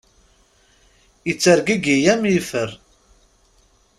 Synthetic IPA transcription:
jət͡sːəɾɡiɡijæmjifəɾ

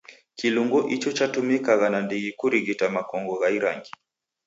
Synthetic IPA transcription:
kiluŋɡɔʔit͡ʃɔt͡ʃatumikaɣanandiɣikuɾiɣitamakɔŋɡɔɣaiɾa̰ŋɡi

